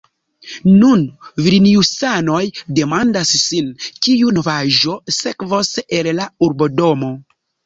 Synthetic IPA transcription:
nunviɾiniusano̞jde̞mandasːinkiuno̞vaʒo̞se̞kvosellauɾbo̞do̞mo̞

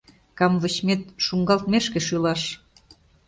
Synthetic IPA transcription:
kɑmvə̆t͡ɕmet̪ʃuŋɡɑlt̪meʃkĕʃylɑʃ

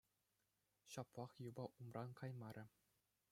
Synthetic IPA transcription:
ɕɑplˠɑχjubɑʔumrɑnkʰɑjmɑɾʲɘ̆

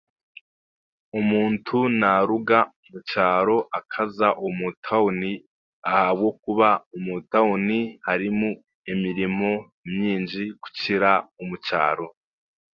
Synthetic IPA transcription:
umuːntʰunaɾuɡaumut͡ʃaːɾo̞ʔakʰazaʔumutʰaoni | ahaβ̚ɡo̞k̚uβaumutaonihaɾimu | emiɾimo̞ | mɲiːnd͡ʒiku̥ciɾaumut͡ʃa̰ːɾo̞

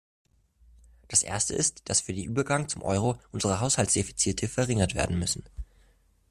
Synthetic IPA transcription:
d̥asʔḛːɐstəʔɪstd̥asfyːɐdenʔyːbɐɡaŋt͡sʊmʔɔ̰ʏʁ̞oʔʊnzəʁəɦaʊshaltsd̥efi̥t͡siːtʰəfɛɐʁɪŋɐtv̥ḛɐdn̩mʏsn̩

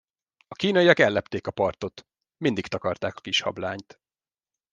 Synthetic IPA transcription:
ɒkiːnɒijɒkɛlːɛpt̪eːkɒpɒrt̪o̞t̪ | mind̪ikt̪ɒkɒrt̪aːkɒ̥kiʃhɒ̰blaːɲt̪

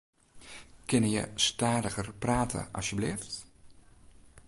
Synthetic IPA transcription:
kɪnəjə̰staːdəɣərpraːtʰə̰ʔɑ̰sjəblɪːft

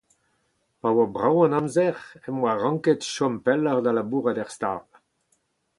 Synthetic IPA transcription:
pawabʁawɑ̃nɑ̃mzɛʁɛmwaʁɑ̃ŋketʃɔmpɛləʁd̪alabuːʁadɛʁst̪a̰ːl

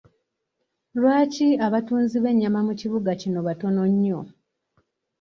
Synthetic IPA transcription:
lwaːciaβatuːnziβe̞ɲːamamuciβuɡacino̞βato̞no̞ɲːo

